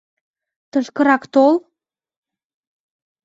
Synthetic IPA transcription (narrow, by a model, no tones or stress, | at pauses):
t̪əʃkə̆ɾɑkt̪ol